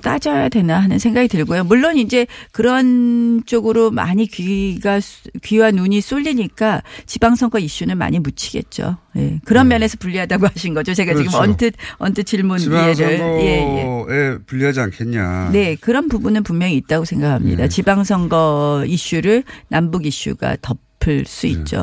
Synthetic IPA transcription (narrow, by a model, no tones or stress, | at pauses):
t͈ad͡ʑʌjadwe̞naɦanɯnsʰeŋɡaɡidɯɭɡojomuɭːonind͡ʑe̞kɯɾʌnt͡ɕ͈oɡɯɾoma̰ɲikɥiɡaskɥiɦanuɲis͈oʎːiɲik͈at͡ɕibaŋsʰʌŋɡʌiɕ͈unɯnma̰ɲimut͡ɕʰi̥ɡe̞̰t̚t͡ɕ͈o̰je̞̰kɯɾʌnmjʌne̞sʰʌpuʎːiɦadaɡoɦaɕʰinɡʌd͡ʑot͡ɕe̞ɡad͡ʑiɡɯmʌntʰɯt̚ʌntʰɯt͡ɕiɭmunieɾɯɭje̞jeepuʎːiɦad͡ʑiankʰenɲa̰ne̞kɯɾʌnpubunɯnpummjʌŋiːt̚t͈aɡosʰe̞ŋɡakʰamɲḭdat͡ɕibaŋs̬ʰʌŋɡʌiɕ͈uɾɯɭnambuɡiɕ͈ṵɡa̰tʌppʰɯɭs͈uḭt̚t͡ɕ͈o̰